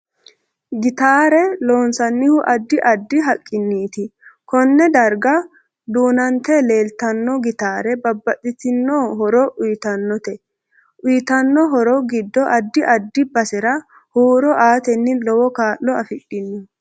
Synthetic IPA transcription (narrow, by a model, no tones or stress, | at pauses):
ɡɪt̪aːɾɛlo̞ːnsɐnːɪhʊʔɐd̪ːɪʔɐd̪ːɪɦɐkʼːɪnːiːt̪ɪkɔnːɛd̪ɐɾɡɐ | d̪uːnɐnt̪ɛleːlt̪ɐnːɔɡɪt̪aːɾɛbɐbːɐtʼːɪt̪ɪnːoːɦɔɾɔʔʊjt̪ɐnːɔt̪ɛ | ʔʊjt̪ɐnːɔɦɔɾɔɡɪd̪ːɔʔɐd̪ːɪʔɐd̪ːɪbɐsɛɾɐ | huːɾɔʔaːt̪ɛnːɪlɔwɔkaːʔːɔɐfɪɗːɪnːɪ